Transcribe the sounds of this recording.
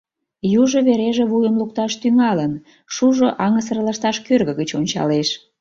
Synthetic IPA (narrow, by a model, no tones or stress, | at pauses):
juʒoβeɾeʒeβujəmluk̚t̪ɑʃt̪yŋɑlən | ʃuʒoʔɑŋəs̬ərlɑʃt̪ɑʃkørɣəɣət͡ɕonʲt͡ɕɑ̰leʃ